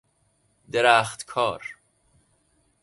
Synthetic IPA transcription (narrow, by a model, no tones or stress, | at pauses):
d̪eɾæːxt̪kʰɒːɾ